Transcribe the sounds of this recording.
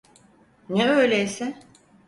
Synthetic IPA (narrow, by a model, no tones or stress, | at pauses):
nɛøjlʲejsɛ